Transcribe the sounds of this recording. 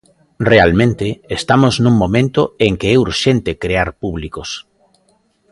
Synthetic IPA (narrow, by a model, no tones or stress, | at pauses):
realmẽnt̪ɪːst̪amoznũŋmõmẽnt̪oeŋkeɛuɾʃent̪ekɾeaɾpuβlikos